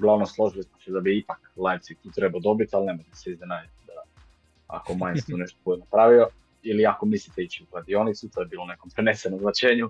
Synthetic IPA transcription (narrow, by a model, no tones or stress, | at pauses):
uɡlaʋnomslˠo̞ʒilismosɛd̪abiipaklˠajfsikt̪uːt̪ɾe̞baod̪o̞bit̪alne̞mojt̪e̥seiznenad͡ʒat̪d̪a | a̰komaɲet̪uneʃt̪okojnapɾaʋio | iliako̞mislit̪eit͡ɕiukɾad̪io̞nit̪sut̪o̞jebiːlˠounekompɾenesenomznat͡ɕeːɲu